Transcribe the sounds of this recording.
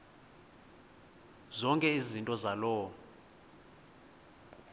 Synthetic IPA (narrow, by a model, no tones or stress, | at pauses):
zɔŋkʼɛizintʼɔzalɔː